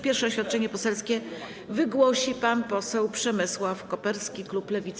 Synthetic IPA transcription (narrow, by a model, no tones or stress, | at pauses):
pʲjɛɾfʂɛɔɕfʲat̪̚t͡ʂɛɲɛpɔsɛlskʲɛ | vɘɡwɔɕipanpɔsɛwpʂɛmɘswafkɔpɛɾskʲikluplɛvʲit̪s